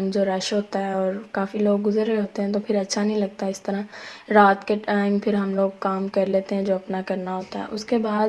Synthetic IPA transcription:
md͡ʒoːɾɛːʃɦoːt̪aɦɛɔːɾkaːfiloːɡːʊzəɾeɦoːt̪eɦɛ̃t̪opʰɪɾɐtːʃʰanɐɦĩlɐɡ̚t̪aɪst̪ɐɾaɾaːt̪keʈaːɪmpʰɪɾɦɐmloːɡkaːmkɐɾleːt̪eɦɛ̃d͡ʒoːɐpnakɐɾnaɦoːt̪aɦɛ̰ʔʊskebaːd̪

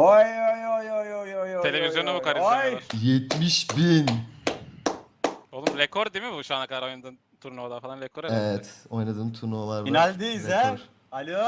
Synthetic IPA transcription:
ajojojojojojot̪ʰelʲevizjoabukʰaɾiajaɾjɛt̪miʃbin | olˠumɾekʰoɾd̪imɪbuʃuanakʰad̪aɾo̞jnad̪ɯːm | t̪ʰuɾnoːlˠafalˠanɾekʰoɾeevɛt̪o̞jnad̪ɯːmt̪ʰuɾnoːlˠaɾbinælʲd̪ijzɛoɾ | alʲo

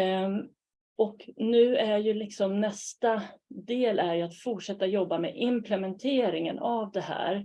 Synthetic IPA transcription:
ɔknʉ̟ːæɾjɵlɪksɔmnɛst̪ad̪eːlæɾjɵat̪fʊʈʂɛt̪ːajɔbːamḛːʔɪmpʰlɛmɛnt̪ʰeːɾɪŋə̰navd̪ɛhæ̰ːɾ

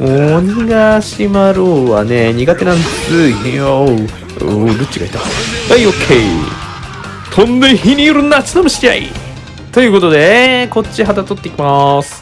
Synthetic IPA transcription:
moɲʲiɡaɕimaɾoːβane̞ɲ̟iɡat̪e̞nãnd̪esɨɦẽβao | oɾɯ̟t͡ɕiɡait̪aɡ̪aiokʰei | t̪ʰõnd̪eɦiɲʲijoɾɯnːat͡sɨ̥nomɯ̟ɕi̥ɾʲia̰ḭ | t̪o̞jɯ̟ːko̞t̪o̞d̪e̞ko̞t͡ɕiɦat̪at̪ot̪ːe̞ikʲimasɨ̥

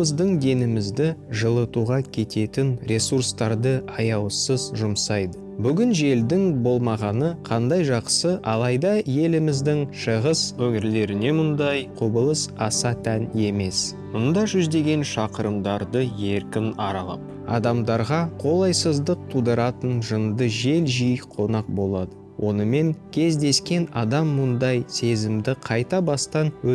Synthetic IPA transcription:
əzd̪əɴd̪e̞nɪmɪzd̪ɪʒəlˠət̪uʁɑkʲʰe̞t̪e̞t̪ɪnɾʲʔe̞surst̪ɑɾd̪əɑjɑwsəzʒʊmsɑjd̪ə | bʏɡʲɪnʒe̞ld̪ɪŋbo̞lˠmɑʁɑnəqʰɑnd̪ɑjʒɑqsəʔɑlˠɑjd̪ɑje̞lɪmɪzd̪ɪŋʃəʁəswɵŋɪɾle̞ɾɪne̞mʊnd̪ɑjqʰubəlˠəsɑsɑt̪ʰæne̞me̞s | mʊnd̪ɑʒʏzd̪e̞ɡʲe̞nʃɑqəɾəmd̪ɑɾd̪əje̞ɾkʲɪnɑɾɑlˠɑ̰p̚ | ɑ̰d̪ɑmd̪ɑɾʁɑqʰo̞lˠɑjsəzd̪əq̚t̪ʰud̪əɾɑt̪ənʒənd̪əʒe̞lʒijqʰo̞nɑq̚bo̞lˠɑd̪ə | wʔo̞nəme̞ŋkʲʰe̞zd̪e̞skʲe̞nɑd̪ɑmːʊnd̪ɑjse̞zɪmd̪ɪqʰɑjt̪ɑbɑst̪ɑnwɵ

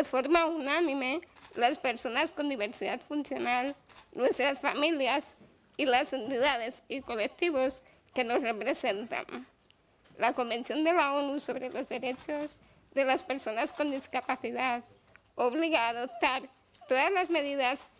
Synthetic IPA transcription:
defo̞ɾmaunanĩmelaspe̞ɾso̞nasko̞nd̪iβe̞ɾsiðat̪funθjo̞nalnwest̪ɾasfamiljas | ilase̞nt̪iðaðesikolek̚t̪iβos | ke̞no̞srepɾese̞nt̪a̰n | lako̞mbe̞nθjo̞nd̪e̞laonuso̞βɾelo̞zðe̞ɾet͡ʃoz | ðe̞laspeɾso̞nasko̞nd̪iskapaθiðað | oβliɣaːðop̚t̪aɾ | t̪o̞ðazlazme̞ðiðas

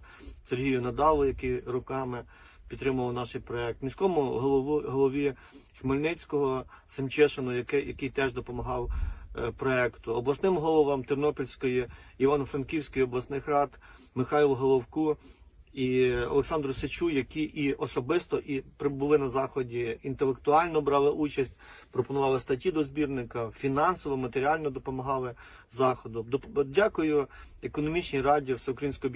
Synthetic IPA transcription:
serɦʲijʊnɐd̪ɑlˠʊjɐkɪjɾʊkɑmɪ | pʲid̪t̪ːɾɪmʊʋɐwnɑʃɪjpɾɔɛk̚t̪mʲisʲkɔmʊɦˠɦɔlˠɔʋʲi | xmɐlʲnɛt͡sʲkɔɦɔsɪmt͡ʃɛʃenʊjɐkɪjɐkɪjt̪ɛʒd̪ɔpɔmɐɦɑwpɾɔɛkt̪ʊɔblˠɐsnɪmɦɔlˠɔʋɑmt̪ɪrnɔpʲɔlʲsʲkɔjiiʋɑnfɾɐnkʲiwsʲkɪjɔblˠɐsnɪxɾɑt̪ | mɪxɑjilˠɦɔlˠɔwku | iɔ̰lˠeksɑnd̪ɾʊset͡ʃujɐkʲiʔiɔsɔbɪst̪ɔʔipɾɪbʊlˠɪnɐzɑxɔdʲiint̪elˠek̚t̪ʊɑlʲnɔbɾɑlˠɪʔut͡ʃɐsʲtʲpɾɔpɔnʊʋɑlˠɪst̪ɐtʲid̪ɔzbʲirnɪkɐfʲinɑnsɔʋɔmɐt̪eɾʲiɑlʲnɔd̪ɔpɔmɐɦɑlˠɪ | zɑxɔd̪ʊd̪dʲɑkʊjʊekɔnɔmʲit͡ʃnʲirɑdʲiwsɛʊkɾɐjinsʲkɔɦɔ

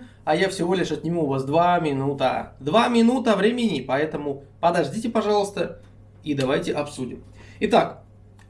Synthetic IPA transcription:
ɐjafsʲɪvo̞lʲɪʂɐt̪nʲɪmuvasd̪vamʲɪnut̪ə̰d̪vamʲɪnut̪əvɾʲemʲɪnʲɪpɐɛt̪əmʊ | pəd̪ɐʐdʲitʲɪpɐʐɑlˠəst̪ə | id̪ɐvajtʲɪʔɐpsudʲɪ̰m | ɪt̪ak

